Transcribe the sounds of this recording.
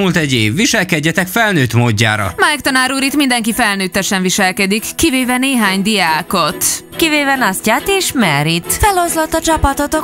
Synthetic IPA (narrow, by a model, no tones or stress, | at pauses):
ult̪ɛɟeːvːiʃɛlkɛɟːɛt̪ɛkfɛlnøːt̪moːɟːa̰ːɾɒ̰majkt̪ɒnaːɾuɾit̪mind̪ɛŋkifɛlnøːt̪ːɛʃɛɱviʃɛlkɛd̪ikːiveːvɛneːɦaːɲd̪ijaːko̞t̪kiveːvɛnascaːt̪eːʃmɛɾit̪fɛlo̞zlot̪ːɒt͡ʃɒpɒt̪ot̪o